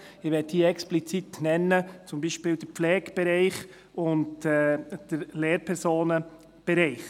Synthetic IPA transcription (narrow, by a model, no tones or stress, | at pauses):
ɪʋɛːt̚diːəɛksplit͡sitnɛnːət͡sʊmbiːʃpɪːld̥əɾpflɛːɡ̥b̥ɛɾɛɪχ | ʊndɛd̥əɾleːɾpʰɛɾsoːnə | b̥ɛɾɛɪχ